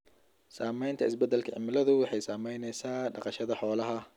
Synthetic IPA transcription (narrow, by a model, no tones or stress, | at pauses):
saːmɛjnt̪ʰɐɪsbɛd̪ːɛlkʰɐʕɪ̰mɪlɐðʊwɑħɑjsaːmɛjnɛjsaːɖɑqɑʃɐðɐħɔːlɐɦɐ